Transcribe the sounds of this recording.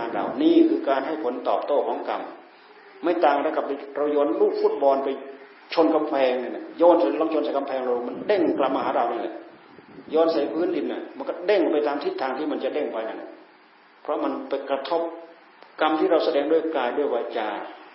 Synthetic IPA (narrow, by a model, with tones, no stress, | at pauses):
a˧nɾa̰˧wniː˧˥˩kʰɯː˧kaː˧nɦa˥˩jpʰo˩˦nt̪ɔ̰ː˨˩p̚t̪oː˥˩kʰɔː˨˦ŋka˧m | ma˥˩jt̪aː˨˩ŋ˧a˧˥˩ka˧˩p̚a˧ɾa˧wjɔː˧nluː˥˩k̚fuː˦˥˩t̪̚bɔː˧npa˧j | t͡ɕʰo˧nka˧mpʰɛː˧ŋna˧˩na˧˩jɔː˧˥nsa˨˦˧lɔː˧˥˩t͡ɕʰnsa˨˦jka˧mpʰɛː˧ŋɾa˧wma˧nde˥˩ŋkla˧˩p̚ma˧haː˨˦ɾa˧wniː˧˩lɛ̰˧˩ | jɔː˧˥nsa˨˦jpʰɯː˦˥˨ndi˧nːa˧˩ma˧nkɔ˥˩de˥˩ŋpa˧jt̪aː˧mt̪ʰi˧˥˩t̪ʰːaː˧ŋt̪ʰiː˥˩ma˧nt͡ɕa˨˩de˥˩ŋpa˧jna˧˩na˧˩ | pʰɾɔ˦˥ma˧npa˧jkɾa˧t̪ʰo˦˥p̚ | ka˧mt̪ʰiː˥˩ɾa˧wsa˧dɛː˧ŋdu˥˩˨jkaː˧jduː˧˥˩əjwaː˧t͡ɕaː˧˩